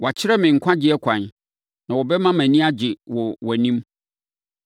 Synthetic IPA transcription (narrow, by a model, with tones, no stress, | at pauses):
wɔ˨a˨t͡ɕʰɪ˦ɾɛ˦mɪ̃˨ŋ̩˨kʷʰã˦d͡ʑɪ˦ɛ˦kʷʰã˨n | nã˨wɔ˨bɛ˦mã˦mæ̃˨nĩ˦a˦d͡ʑɪ˨wɔ˨wæ˨nĩ˦m